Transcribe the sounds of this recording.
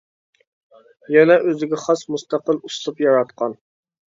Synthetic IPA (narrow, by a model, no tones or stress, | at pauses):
jɛnɛʔøzɪɡʲɛχɑsmust̪ɑqəlˠuslˠupjɑɾɑt̪̚qʰɑn